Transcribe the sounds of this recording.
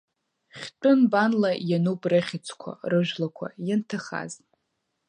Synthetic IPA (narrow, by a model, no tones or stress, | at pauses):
χʲt͡pʷʼʊnbanlajanupʼrɨχʲit͡sʷʰkʷʰa̰rɨʒᶣlakʷʰa̰jantʰaχa̰z